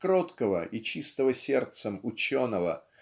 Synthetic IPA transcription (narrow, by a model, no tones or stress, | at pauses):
kɾot̪kəvəʔit͡ɕist̪əvəsʲe̞rt̪səmʊt͡ɕonəvə̰